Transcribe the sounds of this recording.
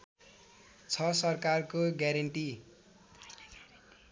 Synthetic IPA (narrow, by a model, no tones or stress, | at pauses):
t͡sʰʌsʌrkarkoɡjaɾʌɳʈi